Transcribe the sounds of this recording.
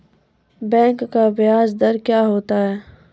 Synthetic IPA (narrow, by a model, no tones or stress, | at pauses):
bɛ̃ːŋkːabɪjaːzd̪ɐɾkjaːɦoːt̪aɦɛː